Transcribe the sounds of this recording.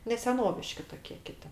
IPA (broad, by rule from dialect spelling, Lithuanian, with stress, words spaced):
nʲɛ sʲɛˈnoːʋʲɪʃʲkʲɪ toːˈkʲeː ˈkʲɪtʲɪ